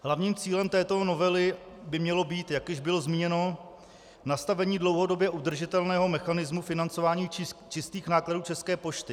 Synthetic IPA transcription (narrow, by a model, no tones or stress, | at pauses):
ɦlavɲiːmt͡siːlɛmt̪ɛːt̪o̞no̞vɛlɪ | bɪmɲɛlo̞biːt̪jakjɪʒbɪlo̞zmiːɲɛno̞ | nast̪avɛɲiːdlo̞wɦo̞do̞bjɛʔud̪r̩ʒɪt̪ɛlnɛːɦo̞mɛxanɪzmufɪnant͡so̞vaːɲiːt͡ʃɪst̪iːxnaːkladuːt͡ʃɛskɛːpo̞ʃt̪ɪ